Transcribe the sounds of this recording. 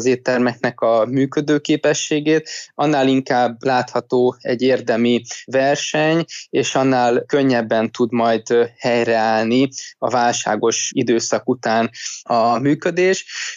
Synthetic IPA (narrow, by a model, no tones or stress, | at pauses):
zeːt̪ːɛrmɛknɛkɒmyːkød̪øːkeːpɛʃːeːɡeːt̪ɒnːaːliŋkaːbːlaːt̪hɒt̪oːɛɟːeːrd̪ɛmivɛrʃɛɲeːʃɒnːaːlkøɲːɛbːɛnt̪ud̪mɒjd̪hɛjrɛaːlniɒvaːlʃa̰ːɡo̞ʃid̪øːsɒkut̪aːnɒmyːkød̪eːʃ